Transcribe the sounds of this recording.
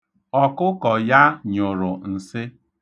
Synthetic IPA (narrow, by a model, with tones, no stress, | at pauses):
ɔ˨kʊ˦kɔ˨ja˦ɲʊ˨ɾʊ˨n̩˨sɪ˦